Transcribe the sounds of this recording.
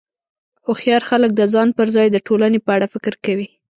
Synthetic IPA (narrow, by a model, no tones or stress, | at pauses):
oxjɑɾxalək̚d̪əzɑnpəɾzɑjd̪əʈolanepəaɽafɪkɪɾkawi